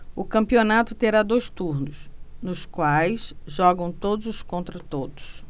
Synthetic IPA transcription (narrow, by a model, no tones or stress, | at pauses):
ʊkɐ̃mpionat̪ʊt̪eɾad̪ojst̪uɾnʊsnʊskwajsʒɔɡɐ̃w̃t̪od̪ʊzʊskõnt̪ɾɐt̪od̪ʊs